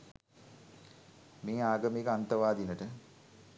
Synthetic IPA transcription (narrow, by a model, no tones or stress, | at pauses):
meːaːɡəmikəant̪ɐʋaːd̪inəʈə